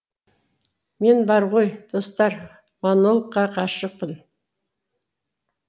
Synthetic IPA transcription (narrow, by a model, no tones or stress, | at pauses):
me̞nbɑɾʁo̞jd̪̥o̞st̪ɑɾ | mɑnolˠqːɑqʰɑʃəq̚pən